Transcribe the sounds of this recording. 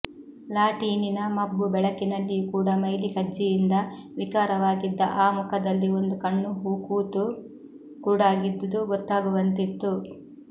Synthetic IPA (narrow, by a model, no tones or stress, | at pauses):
laːʈiːninɐmɐbːubɛɭɐkinɐlːijukuːɽɐmɐjlikɐd͡ʒːijind̪ɐʋikaːɾɐʋaːɡid̪ːɐ̰ʔaːmukɐd̪ɐlːiond̪ukɐɳːuɦuːkuːt̪u | kuːɽaːɡid̪ːɐd̪uɡɔt̪ːaːɡuʋɐnt̪it̪ːu